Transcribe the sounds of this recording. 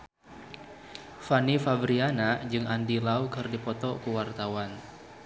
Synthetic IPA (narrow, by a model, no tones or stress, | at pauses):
fanifabɾianad͡ʒɨŋandilaukɨrdipɔt̪ɔkuwart̪awan